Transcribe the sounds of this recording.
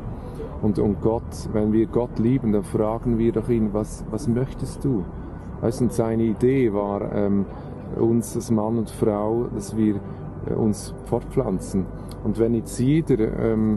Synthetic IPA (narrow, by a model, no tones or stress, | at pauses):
ʔʊndʊnt̚ɡ̥ɔt | vɛnviːɡɔtliːbən̩danfraːɡ̥ən̩viːɾdɔχiːnənvas | vasmœçtəstd̥uː | va̰ɪstʊntsaɪnəideːvaːɾɛ̰ːm | ʊ̰nsalsmanʊntfraʊd̥asv̥iːɾ̰ | ʔʊ̰ns | p͡fɔɾt̚p͡flant͡sn̩ | ʊndvɛnːɪt͡sjeːdəɾɛ̰ːm